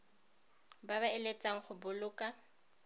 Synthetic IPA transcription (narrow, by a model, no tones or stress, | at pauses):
baβaɛlet͡sʼaŋ̩χʊbʊlʊːkʼa